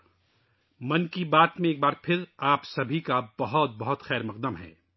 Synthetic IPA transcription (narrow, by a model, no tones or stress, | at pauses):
mɐnkibaːt̪mẽeːk̚baːɾpʰɪɾaːpsɐbʱikabɐɦɔt̪̚bɐɦʊt̪xɛːɾmɐq̚d̪əmɦɛ̰ː